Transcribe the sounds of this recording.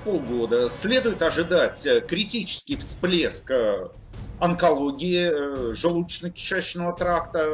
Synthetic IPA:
polˠɡo̞d̪əsʲlʲe̞d̪ʊjɪt̪ɐʐɨd̪atʲkɾʲɪtʲit͡ɕɪ̥skʲɪjfsplʲesk | ɐnkɐlˠoɡʲɪɪʐɨlˠut͡ɕːɪnəkʲɪ̥ʂæɕːnəvət̪ɾakt̪ə

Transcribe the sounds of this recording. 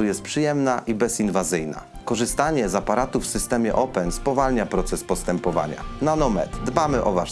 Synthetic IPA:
ujɛst̪̚pʂɘjɛmnaʔibɛsinvazɘjna̰ | kɔʐɘst̪aɲɛzapaɾat̪ufːsɘst̪ɛmʲjɛʔɔpɛnspɔvalɲapɾɔt̪sɛspɔst̪ɛmpɔva̰ɲa̰nanɔmɛ̰t̪d̪bamɘʔɔva

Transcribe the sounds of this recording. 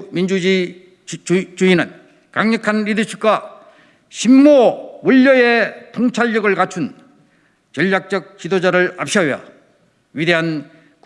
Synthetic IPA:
mind͡ʑud͡ʑi | t͡ɕuinɯn | kaŋɲʌkʰanɾid̪ɯt͡ɕʰuk̚k͈a | ɕʰimmowuʎːʌjet̪ʰoŋt͡ɕʰaʎːʌɡɯɭkat͡ɕʰun | t͡ɕʌʎːak̚t͡ɕ͈ʌk̚t͡ɕ͈idod͡ʑaɾɯɭa̰p̚ɕ͈ʰʌia̰ | ɥide̞ɦan | k

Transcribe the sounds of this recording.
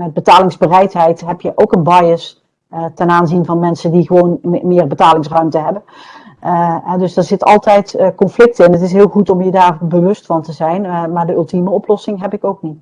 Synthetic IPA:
mɛd̚bətaːlɪŋzbərɛjtɦɛjtɦɛpjəʔowkənbɑjəs | tɛnaːnzinvɑnmɛnsəndiχəʋownmɪːɹbətaːlɪŋsrœɥmtəɦɛbən | ɦɛdɵsdaɹzɪtɑ̰lˠtɛjtkɔnflɪk̚tɪnətɪs̬ɦɪːlˠχutɔmjədaːɹbəʋɵstfɑntəzɛjnmaːɹdəɵlˠtiməɔplɔsɪŋɦɛpɪkowk̚nit

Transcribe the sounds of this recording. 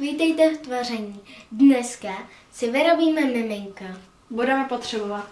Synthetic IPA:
viːt̪ɛjt̪ɛt̪varɛɲiːdnɛska | sɪvɪɾo̞biːmɛmɪmɪŋka | budɛmɛpot̪r̝̥ɛbovat̪

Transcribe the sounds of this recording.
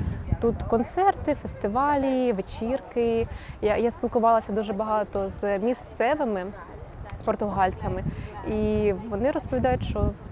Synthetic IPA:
t̪ut̪kɔnt̪sɛrt̪ɪfest̪ɪʋɑlʲiʋet͡ʃirkɪjajasʲpʲilˠkʊʋɑlˠɐsʲɐd̪uʒɛbɐɦɑt̪ɔzmʲist̪sɛʋɪmɪ | pɔrt̪ʊɦɑlʲt͡sʲɐmɪiʋɔnɪɾɔspɔʋʲid̪ɑjʊtʲʃt͡ʃɔ

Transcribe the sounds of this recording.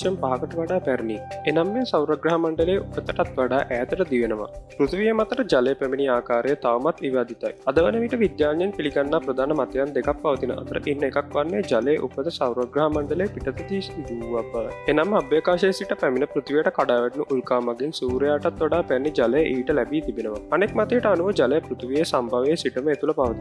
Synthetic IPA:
ɐmpaɦɐkəʈəʋaɖaːpæɾnienamːesawɾəɡɾaɦɐmaɳɖəleːʔupət̪əʈat̪ʋaɖaːʔæːt̪əʈəd̪iʋenəʋa̰pɾut̪ʋijəmat̪əɾəd͡ʒalejəpæminiaːkaːɾejət̪aʋɐmat̪ʋiʋaːd̪it̪a̰jɐd̪ɐʋɐnɐʋiʈɐʋid̪jaːɾɲɐnpiliɡɐnːapɾɐd̪ʱaːnɐmɐt̪jaːnd̪ekɐpːɐʋɐt̪inɐ̰ʔɐ̰t̪ɐɾɐ̰ʔinːekɐkʋɐnːeːd͡ʒɐleːʔṵpːɐd̪ɐsɐwɾɐɡɾɐɦɐmɐɳɖɐleːpiʈɐt̪ɐd̪iːsit̪id̪uʋapːɐʋɐ̰jenɐmːɐbjɐkaːʃeːsiʈɐpɛminɐpɾut̪ʋijɐʈɐkɐɖaːʋɐʈnuʔulkaːmɐɡinsuːɾjaːʈɐt̪ːoɖaːpɛnːid͡ʒɐleːʔiʋiʈɐlɛbiːt̪ibinɐʋɐ̰ɐnekmɐt̪ejɐʈɐɐnuʋɐd͡ʒɐlejɐpɾut̪ʰʋijeːsɐmbʱɐʋeːsiʈɐmɐet̪ulɐpɐʋɐt̪in

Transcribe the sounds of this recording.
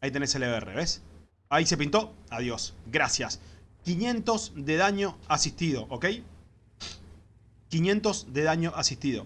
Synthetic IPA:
ait̪e̞neseleerḛβes | aise̞pint̪o̞aðjo̞sɡɾasjaskinjẽ̞nt̪o̞zðe̞ð̞aɲo̞asihst̪iðo̞ʔoke̞j | kinjẽ̞nt̪o̞zðe̞ðaɲo̞ʔasist̪iðo̰

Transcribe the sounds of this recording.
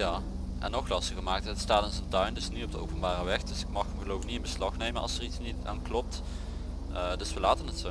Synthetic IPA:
jaː | ʔɛ̰nːɔxlɑstəɣəmaːk̚tətstaːtɪnzəntœɥndɵsnitɔb̚dəo̰wpənbaːrəʋɛxdɵsɪk̚mɑxəmɣəlowvɪknitɪnbəslɑxnejmənɑ̰lˠsəritsnita̰ːnklɔp̚t | ədɵsʋəlaːtənətso

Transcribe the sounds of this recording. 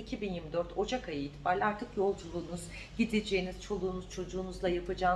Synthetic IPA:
icʰibinjiɾmid̪øɾt̪ʰo̞d͡ʒakʰajɯːt̪ʰi̥baːɾlʲaɾt̪ʰɯkjo̞lˠd͡ʒulˠuːnuz | ɟid̪ed͡ʒeiniz̥t͡ʃʰo̞lˠuːnuz̥t͡ʃʰo̞d͡ʒuːnuzlˠajapɯd͡ʒaː

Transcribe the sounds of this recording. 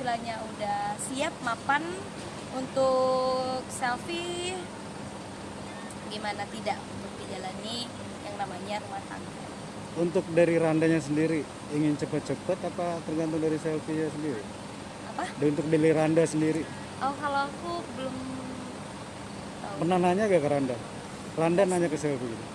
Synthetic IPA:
sulaɲaudasiap̚mapan | unt̪ʊ | k̚sɛlfi | ɡimanat̪ida̰ʔunt̪ʊk̚did͡ʒalani | jaŋnamaɲarumat̪a̰ŋka̰n | unt̪ʊk̚daɾiɾandaɲas̬əndiɾi | iŋɪnt͡ʃəpət̪̚t͡ʃəpət̪apat̪ərɡant̪ʊŋdaɾisɛlfiɲas̬əndiɾi | apadaunt̪ʊk̚diliɾandasəndiɾi | ʔɔkaloakubəlʊm | apərnanaɲaɡakəɾanda | randanaɲakəsɛlfii

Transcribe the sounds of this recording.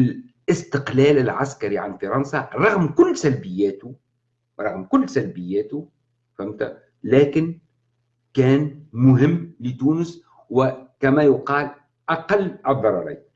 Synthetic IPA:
l | ʔɪst̪ɪqlæːlɪlʕaskaɾiʕanfɑɾˤɑnsɑɾˤɑɣmkʊlːsælbɪjːæːt̪ʊ | ɾˤɑɣmkʊlːsælbɪjːæːt̪ʊ | famt̪a | læːkɪn | kæːnmʊɦɪmːlɪt̪uːnʊs | wɪkæmæjʊqɑːl | ʔɑqɑlːʔɨðˤːɑɾˤɑɾˤḭːn

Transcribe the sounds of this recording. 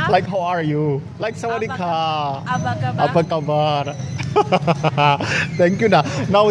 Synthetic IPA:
laɪkɦawaɹjulaɪksãmbɔɾikʰa | apəkabən | t̪ʰɛ̃ŋkjunanaw

